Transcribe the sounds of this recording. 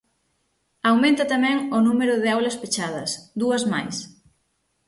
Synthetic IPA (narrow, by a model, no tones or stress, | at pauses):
awmẽnt̪ɐt̪amɛŋʊnumeɾʊðɪawlɐspet͡ʃað̞ɐsd̪uɐzma̰js